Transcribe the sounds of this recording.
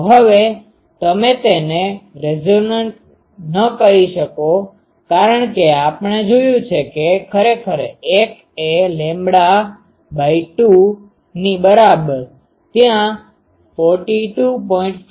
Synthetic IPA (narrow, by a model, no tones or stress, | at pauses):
ɦəʋe | t̪əmet̪eneɾed͡ʒonəɳʈ | nəkəɾiʃəko | kaɾəɳkeapɳed͡ʒojũt͡ʃʰekekʰəɾekʰəɾek | elẽmbɽa | baiʈu | nibəɾabəɾ | t̪jã | fɔɾʈiʈupɔĩɳʈ